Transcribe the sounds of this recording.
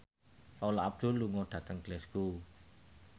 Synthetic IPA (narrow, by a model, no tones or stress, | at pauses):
paulɔab̚d̪̥ṳlːuŋɔɖ̥ä̤t̪əŋɡ̥lɛsɡ̥u